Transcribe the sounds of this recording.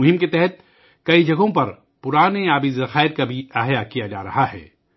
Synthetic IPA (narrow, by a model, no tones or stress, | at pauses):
ʊɦɪmket̪ɛɦɛt̪̚ | kɐid͡ʒɐɡõpɐɾ | pʊɾaːneaːbizɐxaːɪɾkabʱiɐɦjakijad͡ʒa̰ːɾɐɦaɦɛ̰ː